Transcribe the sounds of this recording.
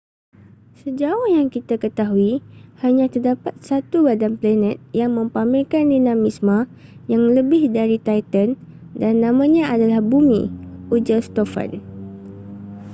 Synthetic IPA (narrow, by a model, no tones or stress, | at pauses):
səd͡ʒaʊhjaŋkit̪akət̪aɦuihaɲãt̪ərdapat̪̚sat̪ubadanplanɛ̃t̪̚jaŋmə̃mpamɪlkandinãmismã | jaŋləbɪhdaɾit̪ajt̪əndanːãmãɲãadalahbumḭ̃ud͡ʒəst̪ofa̰n